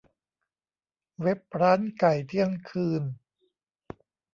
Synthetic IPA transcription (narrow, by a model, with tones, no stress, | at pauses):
we˦˥p̚ɾaː˦˥nka˨˩jt̪ʰi˥əŋkʰɯː˧n